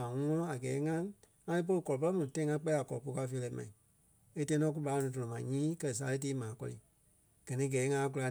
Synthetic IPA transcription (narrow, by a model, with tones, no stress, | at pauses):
ã˨ŋɔ̃˧˦ɔ̃˦a˨ɡɛː˨˦ŋã˦ | ŋã˧i˦p̬o˧lo˧kɔ˨lɔ˨pə˦i˦mũ˨tã˧ĩ˦ŋã˧˦k͡pɛ˦i˦a˨kɔ˨lɔ˨pu˧ka˧fe˧lɛ˧˦mã̰˨ĩ˨ | e˦tã˧˦nɔ̃˧˦ku˦ɓaː˨˦˧nĩ˨˧t̬ɔ̃˨ɔ̃˨mã˨ɲĩː˦kɜ˦˧˨s̬aː˨˧˦le˦t̬iː˦mãː˨˦kɔ̰˧lḭ˨ | ɡ̥ɜ˨nĩ˧˦ɡɛː˨˦ŋã˧˦˧k̬u˧la˧